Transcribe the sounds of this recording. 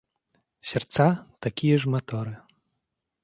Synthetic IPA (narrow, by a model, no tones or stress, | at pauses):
sʲɛrt̪sat̪akʲijɛʐmat̪ɔɾɨ